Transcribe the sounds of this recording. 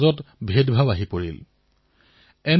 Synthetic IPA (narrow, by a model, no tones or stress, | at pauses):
zɔtbʱedbʱabaɦipoɹḭl | ɛn